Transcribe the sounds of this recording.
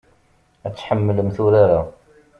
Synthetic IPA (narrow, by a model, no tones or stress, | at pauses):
æt͡sːħəmːələmθʊɾaɾa